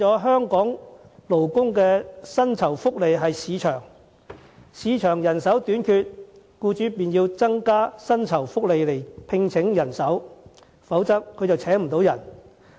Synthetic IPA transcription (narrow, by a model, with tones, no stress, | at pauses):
ɔː˨˥ɦœː˥ŋkɔː˨˥ŋ | lo˨˩wkʊ˥ŋkɛː˧sɐ˥nt͡sʰɐ˨˩wfʊ˥k̚le˨˧jɦɐ˨jsiː˨˧t͡ʃʰœː˨˩ŋ | siː˨˧t͡ʃʰœː˨˩ŋjɐ˨˩nsɐ˨˥wt̪yː˨˥nkʰyː˧t̚ | kuː˧t͡ʃyː˨˥piː˨njiː˧wt͡sɐ˥ŋkaː˥sɐ˥nt͡sʰɐ˨˩wfʊ˥k̚le˨˧jle˨˩jpʰɪ˧ŋt͡sʰɪ˨˥ŋjɐ˨˩nsɐ˨˥w | fɐ˨˥wt͡sɐ˥k̚kʰɵ˧jt͡sɐ˨˩wt͡sʰɛː˨˥ŋm̩˨˩t̪o˨˥wjɐ˨˩n